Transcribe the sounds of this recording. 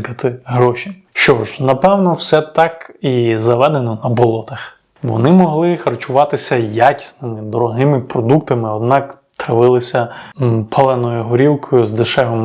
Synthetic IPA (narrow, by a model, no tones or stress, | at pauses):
kɐt̪ɪɦɾɔʃʲi | ʃt͡ʃɔʒnɐpɛwnɔwsɛt̪ɑkizɐʋɛd̪enɔnɐbɔlˠɔt̪ɐx | ʋɔ̰nɪmɔɦlˠɪxɐrt͡ʃʊʋɑt̪ɪsʲɐjakʲi̥snɪmɪd̪ɔɾɔɦɪmɪpɾɔd̪uk̚t̪ɐmɪɔd̪nɑk | t̪ɐʋɪlˠɪsʲɐpʰɐlˠɛnɔjʊɦɔɾʲiwkʰɔjʊzd̪ɪʃɛɦɔm